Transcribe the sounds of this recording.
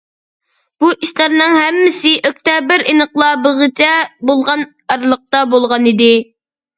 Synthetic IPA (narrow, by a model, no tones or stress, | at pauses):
b̥uʔiʃlæɾnɨŋɦɛmːɪsɪʔøk̚ʲt̪ɛbɪɾinəqlˠɑbɨʁɨt͡ʃʰɛbolˠʁɑn | ɑɾlˠəq̚t̪ɑbolˠʁɑnid̪ɪ